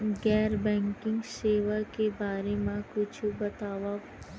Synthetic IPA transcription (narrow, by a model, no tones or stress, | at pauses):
ɡɛːɾbɛ̃ːŋkɪ̃ŋɡseːʋakebaːɾemãkʊt͡ʃʰubɐt̪aːwa